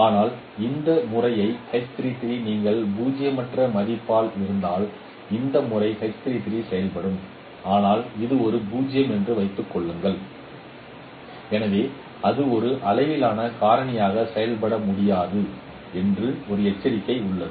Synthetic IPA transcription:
aːnaːl | ɪnd̪ɐmʊrɐjɐɪkɐɪt̪ɪɾit̪ɪɾiniːŋɡɐɭbuːd͡ʒɪjɐmɐʈrɐmɐðɪpːaːlɪɾɯnd̪aːl | ɪnd̪ɐmʊrɐɪkɐɪt̪ɪɾit̪ɪɾisɛjɐlpɐɽɯm | aːnaːlɪðɯɔɾɯbuːd͡ʒɪjɐmɛndrɯʋɐɪt̪ːɯkːɔɭːɯŋɡɐɭ | ɛnɐʋeː | ɐðɯɔɾɯʔɐlɐɪʋɪlaːnɐkaːɾɐɳɐjaːɣɐsɛjɐlpɐɽɐmʊɽɪjaːðɯ | ɛndrɯɔɾɯɛt͡ʃːɐɾɪkːɐɪʊɭːɐɯ

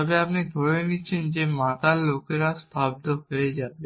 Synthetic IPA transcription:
ɔbeapnid̪ʱoɾeniːt͡ɕʰend͡ʑemat̪alokeɾast̪ʰabd̪oɦoed͡ʑabe

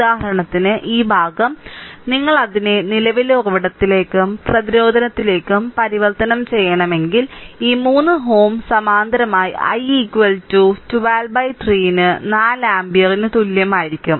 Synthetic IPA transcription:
udaːɦɐɾɐɳɐt̪ːinɨʔiːbʱaːɡɐmniŋːɐɭɐðinenilɐʋiloːɡɐʋiɽɐt̪ːile̞ːkːɨmprɐðiɾo̞ːd̪ʱɐnɐt̪ːile̞ːkːumpɐɾiʋɐrt̪ɐnɐmt͡ɕe̞jːɐɳɐme̞ŋɡiliːmuːnːɨɦo̞ːmsɐmaːnd̪ɐɾɐmaːjiʔɐ̰jikːʋɐltuːtuʋaːlbɐjtriːjinɨnaːlaːmbijɐrinɨt̪ulːjɐmaːjiɾikʲːum

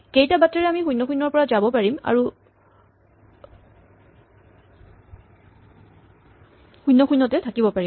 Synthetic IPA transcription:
kejtabatːɹɛɹɛamixujnːɔxujnːɔɹpɔɹazabɔpaɹima̰ɹu | xujnːɔxujnːɔtɛtʰakibɔpaɹim

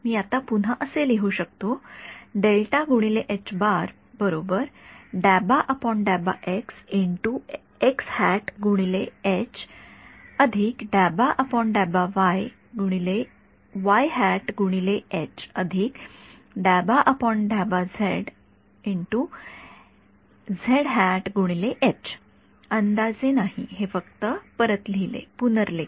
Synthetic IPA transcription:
miːat̪apun̤aʔəseleɦuːɕək̚t̪oɖelʈaɡʱuɽ̃ileʔet͡ɕbaɾ | bəɾobəɾɖæbaʔəpɔɳɖæba̰ʔeksiɳʈu | ekshæʈɡʱuɽ̃ileet͡ɕ | əd̪ʱiːkɖæbaʔəpɔɳɖæbaʋaj | ɡʱuɽ̃ile | ʋajɦæʈɡʱuɽ̃ileet͡ɕəd̪ʱiːk | ɖæbaʔəpɔɳɖabad͡zʱeɽ | iɳʈu | d͡zʱeɽɦæʈɡʱuɽ̃ileʔet͡ɕ | ənd̪ad͡zenaɦiɦefəkt̪əpəɾət̪lilḛpunəɾle

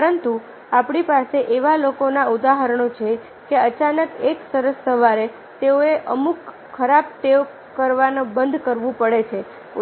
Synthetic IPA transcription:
pəɾənt̪u | apɳ̃ipaseʔeʋalokonaud̪aɦəɾɳot͡ʃʰe | keət͡ʃanəkeksəɾəsːəʋaɾe | t̪eoeʔəmukʰː | əɾab̚t̪eo | kəɾʋanobənd̪ʱkəɾʋũpəɽet͡ʃʰe

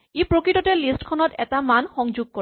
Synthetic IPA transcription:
epɾokɾiʈɔʈelisʈkʰɔnɔtɛ̰t̪amanxɔŋd͡ʒoɡ̚kɔ

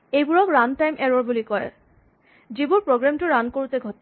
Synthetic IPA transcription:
ejbuɹɔkɹantajmʔɛɹɔɹbulikɔɹɛ̰ | d͡ʒibuɹpɹoɡɹamtuɹankoɹut̪eɡʱɔti

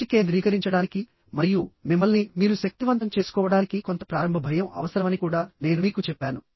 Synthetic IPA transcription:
ikeːd̪ɾiːkɐɾiɲt͡ʃɐɽaːniki | mɐɾijumimːɐlnimiːɾuʃɐk̚t̪iʋɐnt̪ɐmt͡ʃe̞ːsu̥kɔːʋɐɽaːnikiko̞nt̪ɐ̥pɾaːɾɐmbʱɐbʱɐjɐmɐ̰ʋɐsɐɾɐmɐnikuːɽaːne̞ːnumiːkut͡ʃɛpːaːnu

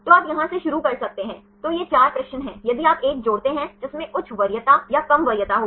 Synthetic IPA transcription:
t̪oːaːpjɐɦãseʃʊɾukɐɾsɐk̚t̪eɦɛ̃ː | t̪ojet͡ʃaːɾpɾɛːʃənɦɛ̃ːjɐd̪iaːpeːk̚d͡ʒoːɽt̪eɦɛ̃d͡ʒɪsmẽʔʊt͡ʃʰʋɐɾjət̪ajakɐmʋɐɾjət̪aɦoː

